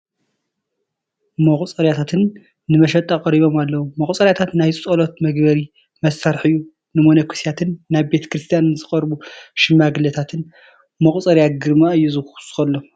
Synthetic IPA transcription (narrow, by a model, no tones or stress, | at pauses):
mɐχʼt͡sʼɐɾjat̪ʰat̪ʰɨnː | ɨmɐʃɐt̪ʼakʼɐɾiβo̞malːɐwumɐχʼut͡sʼɐɾjat̪ʰat̪najsʼt͡sʼɐlo̞t̪̚mɐɡbɐɾi | mɐsːaɾħɨjːu | nɨmonɐkʷʰi̥sijat̪ʰɨnːaβbe̞t̪ʰɐ̥kɾɨst̪ʰijanːɨzɨxʼɐɾbuʃɪmːaɡɨlɐt̪ʰat̪ʰɨn | mɐχʼt͡sʼɐɾjaɡɨɾmaɨjːuzɨxsɨ̥xɐlːom